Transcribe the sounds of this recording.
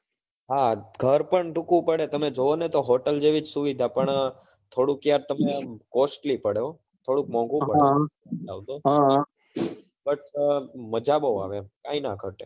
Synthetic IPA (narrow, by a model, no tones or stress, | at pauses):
ɦaɡʱəɾpəɳʈũkʋũpəɽet̪əmed͡ʒoonet̪oɦoʈəld͡ʒeʋid͡ʒsuʋid̪ʱapəɳ | t̪ʰoɽũkːjaɾt̪əmekosʈlipəɽjo | t̪ʰoɽuk̚mɔ̃ŋɡʋũɦə | a̰ʋt̪oɦãɦ | bəʈməd͡ʒaboʋa̰ʋekainakʰəʈḛ